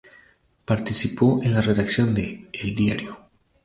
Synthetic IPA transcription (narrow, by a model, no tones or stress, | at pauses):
paɾt̪isipoʔenlareðaksjond̪eːld̪iaɾjo